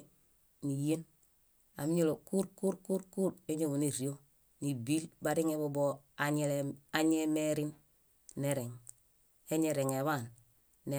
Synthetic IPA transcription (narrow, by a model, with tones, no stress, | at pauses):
nije˦n | a̰˨mi˦ɲo˦lo˨ku˦ɾku˦ɾku˦ɾku˦ɾe˦ɲo˦βu˨ni˨ɾi˨jo˦ | ni˨bi˦lbaɾi˦ŋeboboaɲeleaɲemeɾin | neɾeŋ | e˦ɲe˨ɾeŋeβan | ne